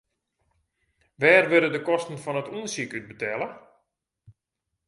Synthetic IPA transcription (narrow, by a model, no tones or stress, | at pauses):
ʋɛːrʋøɾədəkɔstən̩fɔnətuənsikyt̚bətʰɛlˠə